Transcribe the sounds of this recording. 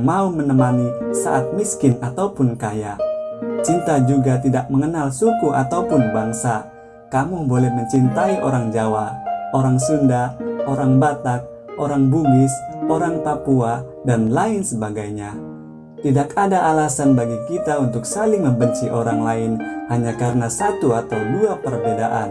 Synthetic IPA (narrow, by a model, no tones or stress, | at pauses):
maumənəmanisa̰ʔat̪̚miskɪnat̪aupʊnkajat͡ʃint̪ad͡ʒuɡat̪idak̚məŋənalsukuat̪aupʊnbaŋsa | kamubolɛhməɲt͡ʃint̪aiʔoɾaŋd͡ʒawaoɾaŋsundaoɾaŋbat̪ak̚ | ʔoɾaŋbuŋɪsoɾaŋpapua | danlaɪnsəbaɡajɲa | t̪idakadaʔalasanbaɡikit̪aunt̪ʊksalɪŋməmbəɲt͡ʃiʔoɾaŋlaɪnhaɲakaɾənasat̪uat̪awduapərbedaʔa̰n